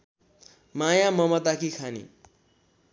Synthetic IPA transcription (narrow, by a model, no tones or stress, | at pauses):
majamʌmʌt̪akʰikʰanḭ